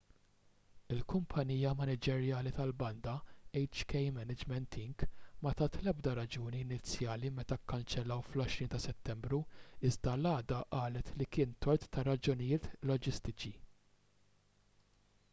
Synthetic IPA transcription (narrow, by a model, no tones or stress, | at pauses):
ɪlkʊmpʰɐniːjɐmɐnɪd͡ʒɛɾjɐːlit̪ɐlbɐnd̪ɐɛjt͡ʃkɛjmɛnɪd͡ʒmɛnt̪ʰɪŋɡmɐt̪ɐt̪lɛbd̪ɐɾɐd͡ʒuːniːnɪt͡sːjɐːlimɛt̪ɐkːɐnt͡ʃɛlːɐwflɔʃɾiːnt̪ɐsɛt̪ːɛmbɾuɪzd̪ɐlɐːd̪ɐʔɐːlɛt̪likɪːnt̪ɔɾt̪ːɐɾɐd͡ʒʊnɪjɪːt̪lɔd͡ʒɪst̪ɪt͡ʃi